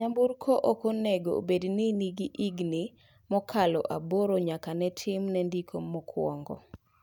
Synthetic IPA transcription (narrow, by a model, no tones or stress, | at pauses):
amburkʰoʔokoneɡo̰bedniniɡiʔiɡni | mɔkʰalɔ̰ʔaboɾoɲakanɛtʰɪmnɛndikʰomɔkʰwɔ̰ŋɡɔ̰